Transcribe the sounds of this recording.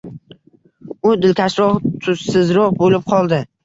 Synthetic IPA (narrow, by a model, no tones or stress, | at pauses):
ʊd̪ɪlkʲʰaʃɾɒʁt̪ʰʊssɪzɾɒʁbolɪp̚qʰɒlˠd̪ɪ